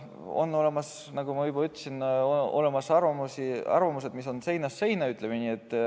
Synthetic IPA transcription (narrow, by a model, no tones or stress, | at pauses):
o̞̰nːo̞le̞mɑs | nɑɡ̥umɑɯjbɑyt̪ːˑsino̞̰le̞mɑsɑrvɑmusiɑ̰rvɑmuse̞d̪miso̞nse̞jnɑsːe̞jnɑyt̪ˑlemenʲiet̪ːˑ